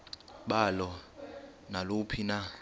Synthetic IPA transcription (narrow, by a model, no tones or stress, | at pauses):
ɓalɔ | nalopʰina